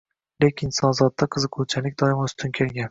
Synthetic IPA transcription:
lekʲʰɪnsɒnzɒt̪ːaqʰɨzɨqʰʊwt͡ʃʰalɪkʲd̪ɒɪmʊst̪ʰɪnkʲʰe̞lɡʲan

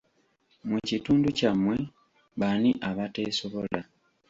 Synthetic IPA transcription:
mucituːnducamwe̞ | βaniʔaβate̞ːso̞βo̞la

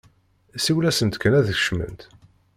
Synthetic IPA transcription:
siwlæsənt̪kənæðəç̥ʃmə̰nt̪

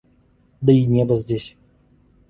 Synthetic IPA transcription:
d̪əinʲebəzʲdʲesʲ

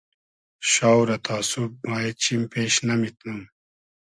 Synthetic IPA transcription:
ɕaːwɾɐt̪ʰaːsub̚maːjet͡ɕʰimpeːɕnɐmit̪num

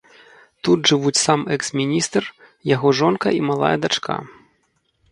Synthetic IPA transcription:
t̪ud̪ʐɨvut͡sʲsamɛksmʲinʲist̪r | jaɣɔʐɔnkɐimalˠa̰jɐd̪at͡ʂkʰa̰

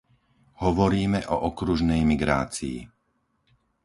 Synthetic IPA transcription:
hɔʋɔɾiːmɛʔɔʔɔkɾuʒnɛjmiɡɾa̰ːt͡sḭː

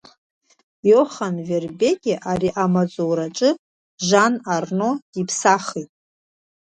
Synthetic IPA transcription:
joχanverbe̞kʲʼɪʔaɾiʔamat͡sʼowɾaʈ͡ʂʼɨ | ʒanarno̞ipʰsaχitʼ

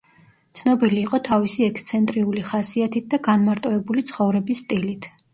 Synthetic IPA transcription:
t̪sʰnɔbiliːqʼɔt̪ʰavisiɛkst̪sʰɛnt̪ʼɾiuliχasiat̪ʰit̪̚d̪aɡanmaɾt̪ʼɔɛbulit̪sʰχɔvɾɛbisːt̪ʼilit̪ʰ

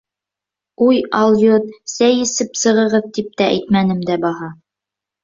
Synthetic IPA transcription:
ujɑlˠjot̪sæjɘ̆sɘpsɤ̆ʁɤ̆ʁɤðt̪ip̚t̪æʔæ̰jt̪mænɘmd̪æbɑɦɑ

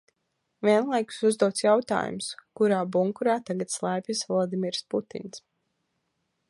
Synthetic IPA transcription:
vʲiɛnlˠajku̥suzd̪uɔt̪sjawt̪a̰ːjṵmskuɾaːbuŋkuɾaːt̪aɡat̪slˠajpʲisvɔlˠɔd̪imiɾsput̪ḭns

